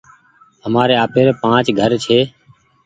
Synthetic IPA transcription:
ɦəmaːɾeːaːpʰeːɾeːpãːt͡ʃɡʱəɾt͡ʃʰeː

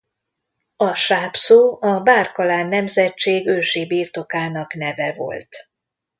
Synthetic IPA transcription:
ɒʃaːpsoːɒbaːrkɒlaːnːɛmzɛt͡ʃːeːɡøːʃeːbiːrt̪o̞kaːnɒknɛvɛvo̞̰lt̪

